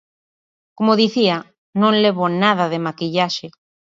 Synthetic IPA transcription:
komoðiθia | nõŋleβ̞onaðaðemakiʎaʃe

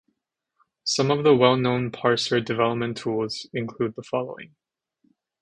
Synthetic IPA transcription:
sʌ̃mʌvðəwɛlˠnõʊ̃npʰɑɹsə˞dɨvɛlˠəp̚mɨ̃ntʰulˠz̥ɨ̃nkʰl̥ʉd̪̚ðəfɑlˠoʊɪ̰̃ŋ

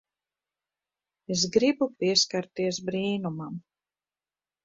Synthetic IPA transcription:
ezɡɾibupiɛskaɾt̪iɛzbɾiːnumam

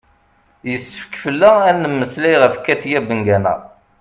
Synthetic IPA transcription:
jəsːə̥fkfəlːæænːəmːəslæjʁəfkːæt̪jæbəŋɡænæ̰

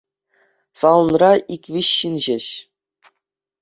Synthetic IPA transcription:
sɑlˠɤ̆nrɑʔikʲʋʲiɕːinʑeɕ

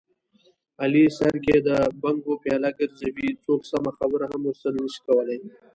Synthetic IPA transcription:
alisaɾked̪əbaŋɡopjɑlaɡəɾzawit͡soksamaxabɾaɦamʊɾsəlnəʃi̥kawəle

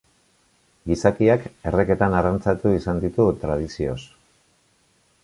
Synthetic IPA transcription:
ɡisakiake̞re̞ke̞t̪anarant͡sat̪uisand̪it̪ut̪ɾað̞isio̞̰s

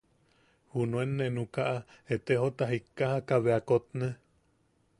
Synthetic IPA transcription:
hunõenːenukaʔaet̪eɦot̪aɦikːahakaβeakot̪ne

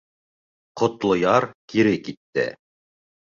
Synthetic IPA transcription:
qŏt̪lˠŏjɑɾkiɾɘkit̪ːɘ̰

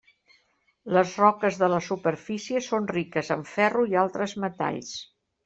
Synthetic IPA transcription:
ləzrɔkəzðələsupəɾfisiəsonrikəzəɱfɛruialˠt̪ɾəzmət̪a̰ʎs

